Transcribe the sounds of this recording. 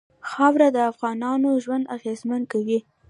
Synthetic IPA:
xawɾad̪əafɣɑnɑnoʒwand̪aɣezman̚kawi

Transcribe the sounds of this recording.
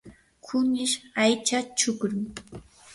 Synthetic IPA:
kʰʊnɪʃajt͡ʃat͡ʃʊkɾʊŋ

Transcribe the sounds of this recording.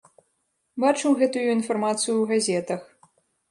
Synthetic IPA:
bat͡ʂɨwɣɛt̪ujuinfarmat̪sɨjuwɣazʲɛt̪ɐx

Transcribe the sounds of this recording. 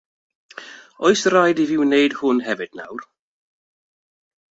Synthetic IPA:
ɔɨsrajdivɪwnejd̥hʊnɦɛvɨd̥na̰wr

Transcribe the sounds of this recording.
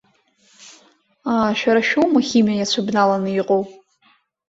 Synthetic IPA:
aʃᶣaɾaʃᶣowmaχʲimiajat͡ɕʷʰabnalanɨiqʼow

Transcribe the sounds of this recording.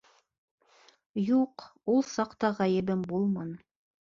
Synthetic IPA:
juqulˠsɑqt̪ɑʁæjɘ̆bɘmbulˠmɑn

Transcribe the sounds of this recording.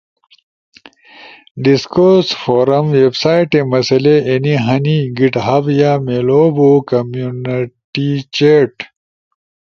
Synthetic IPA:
ɖiskosfoːɾɐmʋebsaːjʈemɐsɐleʔeniɦɐniɡiʈɦɐbjaːmeloːbokɐmjunʈit͡ɕeʈ

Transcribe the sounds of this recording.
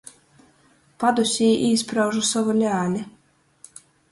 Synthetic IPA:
pad̪usʲiːʔiːspɾawʒusɔvɔlʲaːlʲɛ

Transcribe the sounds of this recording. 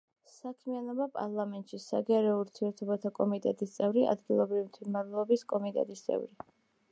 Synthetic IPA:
sakʰmianɔbapʼa̰ɾlˠamɛnt̪ʼʃisaɡɛɾɛɔuɾt̪ʰiɛɾt̪ʰɔbat̪ʰakʼɔmit̪ʼɛt̪ʼist̪sʼɛvɾia̰d̪ɡilˠɔbɾivimt̪ʰwilmaɾlˠɔbiskʼɔmit̪ʼɛ̰t̪ʼist̪sʼɛ̰vɾi

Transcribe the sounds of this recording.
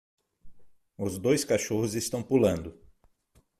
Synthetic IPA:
ʊzd̪ojskaʃohʊzest̪ɐ̃w̃pulɐ̃nd̪ʊ

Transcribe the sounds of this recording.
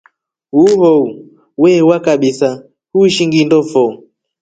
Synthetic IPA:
uhɔu | wɛwakaɓisa | huiʃiŋɡindɔfɔu

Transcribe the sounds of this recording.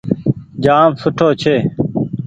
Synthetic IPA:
d͡ʒaːmsʊʈʰoːt͡ʃʰeː

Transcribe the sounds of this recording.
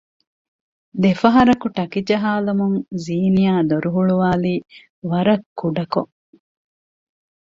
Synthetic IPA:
d̪efɐɦɐɾɐkuʈɐkid͡ʒɐɦaːlɐmuŋziːnijaːd̪oɾuɦuɭuʋaːliː | ʋɐɾɐkʰːuɖɐko̰

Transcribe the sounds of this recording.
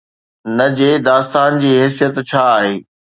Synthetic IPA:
nɐd͡ʑeːd̪aːst̪aːnd͡ʑiːɦɛːsijət̪t͡ɕʰaːɦeː

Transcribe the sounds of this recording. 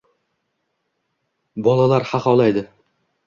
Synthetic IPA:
bɒlˠalˠaɾχaqɒlˠajd̪ɪ

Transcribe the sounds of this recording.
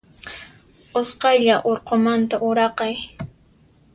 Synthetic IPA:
ʊsqɑjʎaʔoɾqomant̪aʔʊɾɑqɑj

